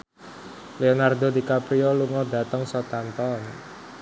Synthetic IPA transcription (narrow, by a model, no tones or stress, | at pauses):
leonard̪od̪ikapɾioluŋɔd̪ä̤t̪əŋsɔt̪ant̪ɔn